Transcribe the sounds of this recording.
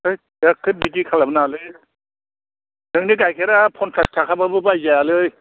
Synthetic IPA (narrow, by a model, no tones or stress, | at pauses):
ɯj | ekʰːɯbikikʰalabɯnalɯj | dɯŋniɡajkʰeɾapʰɔntʰɾastʰakʰababɯbajzajalɯj